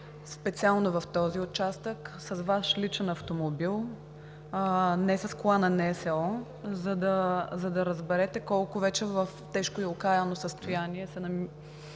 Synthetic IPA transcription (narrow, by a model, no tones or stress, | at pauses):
spɛt̪sialˠnovɐft̪ɔziot͡ʃast̪əksɐzvaʃlit͡ʃɛnɐft̪omobilˠ | nɛsɐskʊanɐnɛsɛɔ | zɐd̪ɐzɐd̪ɐɾəzbɛɾɛt̪ɛkɔlˠkʊvɛt͡ʃɛvəft̪ɛʃkoilˠokaɛnosəst̪ʊjaniɛsɛnɐm